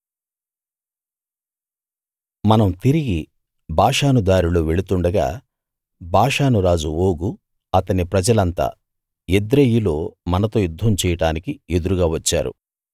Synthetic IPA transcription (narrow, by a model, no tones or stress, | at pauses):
mɐnɐmt̪iɾiɡi | bʱaːʂaːnud̪aːɾuloːʋe̞ɭut̪uɳɖɐɡa̰ː | bʱaːʂaːnuɾaːd͡ʒuo̞ːɡu | ɐt̪ɐnipɾɐd͡ʒɐlɐnt̪a̰ː | ed̪ɾejulo̞ːmɐnɐt̪o̞ːjud̪ʱːɐmt͡ʃɛːjɐʈaːnikied̪uɾuɡaːʋɐt͡ʃːa̰ːɾṵ